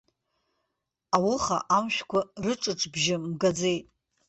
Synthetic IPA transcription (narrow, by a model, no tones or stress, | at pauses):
awʊχa̰ʔamʃʷᶣkʷʰarɨʈ͡ʂʼɨʈ͡ʂʰʼbʒɪmɡad͡ze̞jtʼ